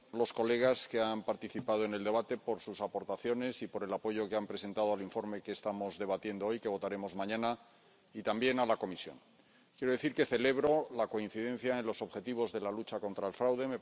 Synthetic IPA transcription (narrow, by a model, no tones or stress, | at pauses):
lo̞sko̞le̞ɣ̞aske̞ampaɾt̪iθipað̞o̞ene̞ld̪e̞β̞at̪e̞po̞ɾsusapo̞ɾt̪aθjo̞ne̞sipo̞ɾe̞lapo̞ʝo̞keampɾe̞se̞nt̪að̞o̞aliɱfo̞ɾme̞ke̞ːst̪amo̞zðe̞βat̪je̞nd̪oojke̞β̞o̞t̪aɾe̞mo̞zmãɲãna | it̪ambje̞nalako̞misjo̞̰ŋ | kjeɾo̞ðe̞θiɾke̞θe̞le̞βɾo̞lako̞in̟θiðẽ̞n̟θjaẽnlo̞so̞βxe̞t̪iβ̞o̞zðe̞lalut͡ʃako̞nt̪ɾaelfɾawðe̞me